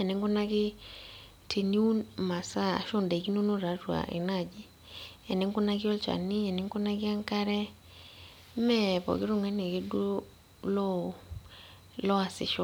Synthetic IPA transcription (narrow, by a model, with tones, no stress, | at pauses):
ɛ˨nɪ˨ŋkʊ˦na˦kɪ˦ | tʰe˨ni˦u˦nma˨sa˦a̰˨ʃo˦nda˨ki˦no˦no˦ɾa˨˦twa̰˨ʔḭ˨na˦˨d͡ʒi˦ | ɛ˨nɪ˨˦ŋkʊ˦na˦kɪ˦ɔ˦lt͡ʃa̰˨ni˦ɛ˨nɪ˦ŋku˦na˦kɪ˦a˦ŋka˦ɾɛ˦ | mɛ˦˨pɔ̰˨kɪ˦ɾo˦˨ŋɛ˦ne˨ke˦do˦ | lɔ˦˨ | lɔ˦a˨sɪ̰˨ʃɔ˦